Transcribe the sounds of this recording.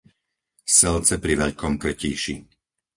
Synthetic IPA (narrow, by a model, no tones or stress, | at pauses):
sɛlt͡sɛpɾiʋɛʎkɔmkr̩ciːʃi